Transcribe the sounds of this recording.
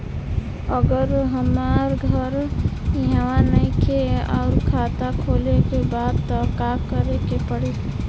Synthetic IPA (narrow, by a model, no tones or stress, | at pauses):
əɡəɾɦəmaɾɡʱəɾjɦwanəikʰeɔʊɾkʰaːt̪akʰoːlekebaːd̪t̪ɔkakəɾekepəɽi